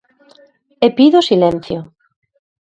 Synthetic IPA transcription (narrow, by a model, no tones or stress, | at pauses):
epiðosilẽn̟θjo